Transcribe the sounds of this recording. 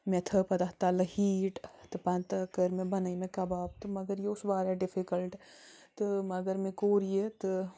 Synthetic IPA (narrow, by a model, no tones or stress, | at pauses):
met̪ʰəpɐd̪ɐɦt̪ɐlɐhiːʈt̪ɨpɐnt̪ɐkɐɾmẽbɐnɐimẽkɐbaːb̚t̪ɨmɐɡəɾjeʊsbaːɾɛɖɪfʰikɐlʈt̪ɨmɐɡɐɾmẽkoːɾijet̪ɨ